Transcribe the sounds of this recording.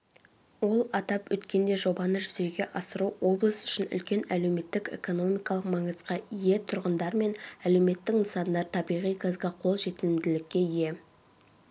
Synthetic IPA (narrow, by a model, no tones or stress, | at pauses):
wo̞lˠɑt̪ɑpwɵt̪kʲe̞nd̪e̞ʒo̞bɑnəʒʏze̞ɡʲe̞ʔɑsəɾuwo̞blˠəsʏ̥ʃɪnʏ̰lkʲe̞næle̞wme̞t̪ːɪke̞̰ko̞no̞mijkɑlˠəqmɑɴəzʁɑije̞t̪ʰʊɾʁənd̪ɑɾme̞næle̞wme̞t̪ːɪknəsɑnd̪ɑɾt̪ʰɑbijʁijɡɑzɡɑqʰo̞lˠʒe̞t̪ɪlɪmd̪ɪlɪkʲːe̞ije̞